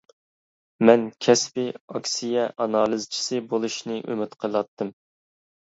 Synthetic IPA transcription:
mɛnkʲʰɛspɪɑkʲsijɛʔɑnɑːlˠɨzt͡ʃʰi̥sɨbolˠuʃnɨʔø̰mɪt̪qʰəlˠɑt̪ːɨm

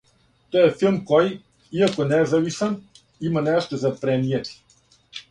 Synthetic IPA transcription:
t̪ɔjɛfilˠmkɔj | iakonɛzavisɛn | imanɛʃt̪ozapɾɛniɛt̪i̥

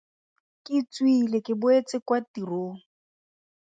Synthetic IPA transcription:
kʼɪt͡swilekɪbʊet͡sʼɪkwatiroː

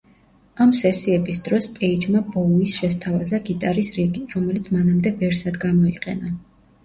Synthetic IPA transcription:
amsɛsiɛbisd̪̥ɾɔspʼɛid͡ʒmabɔuisʃɛst̪ʰavazaɡit̪ʼaɾisɾiɡiɾɔmɛlit̪sʰmanamd̪ɛvɛɾsad̪ɡamɔiqʼɛ̰na

